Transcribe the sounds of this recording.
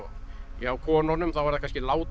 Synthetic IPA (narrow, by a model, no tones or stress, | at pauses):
iawkʰɔːnɔnʏmθawvaɾðakʰanscɪlaːwt̪